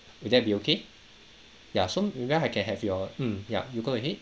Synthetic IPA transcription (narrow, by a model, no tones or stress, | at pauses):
wʊdɛt̚biokʰe | jasomwɛaɪkʰɛ̃nɦɛvjɔm̩mja̰juɡoɛɦet̚